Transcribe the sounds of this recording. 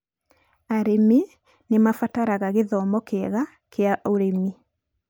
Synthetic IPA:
aɾemi | nemafataɾaɣaɣeðɔmɔkeɛɣa | kʰeaʔoɾemi

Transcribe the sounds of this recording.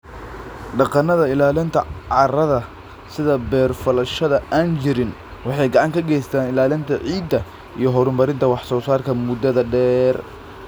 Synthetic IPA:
ɖɑqɑnɐðɐɪlaːlɪnt̪ʰɐʕɑrɐðɐ | sɪðɐbɛːrfɐlɐʃɐðɐʔaːnt͡ʃɪɾɪn | wɑħɑjɡɑʕɑŋkʰɐɡɛjst̪ʰaːnɪlaːlɪnt̪ʰɐʕiːd̪ɐ | ḭjɞɦɔɾʊmbɐɾɪnt̪ʰɐwɑħsɔːsaːrkʰɐmʊd̪ɐðɐɖɛːr

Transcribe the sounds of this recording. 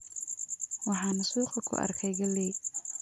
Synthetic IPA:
wɑħɑːnɐsuːqɐkʰʊ̰ʔɐ̰rkʰɛjɡɐlɛj

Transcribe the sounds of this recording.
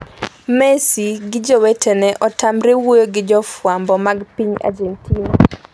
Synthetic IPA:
mɛsiɡɪd͡ʒɔwɛtɛnɛʔɔtamɾewojoɡɪd͡ʒɔfwambɔmaɡpiɲa̰d͡ʒɛntina

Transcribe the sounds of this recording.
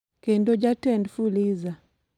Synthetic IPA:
kɛndɔd͡ʒatɛndfuliza

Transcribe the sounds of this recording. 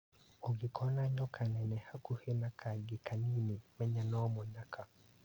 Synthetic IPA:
oɡɪkʰɔnaɲɔkʰanɛnɛhakuhenakʰaɡɪkaninimɛɲanɔmɔɲakʰa

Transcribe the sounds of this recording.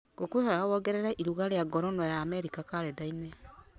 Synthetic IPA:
ɡ̥okwehaɾawɔɣɛɾeɾaʔiɾuɣaɾeaɡɔɾɔnɔjaːmɛɾikakaɾɛdainɛ

